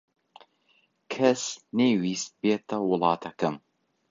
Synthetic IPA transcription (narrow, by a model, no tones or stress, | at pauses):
kʰɐsneːwiːst̪̚beːt̪ɐwʊlˠɑːt̪ʰɐkɐm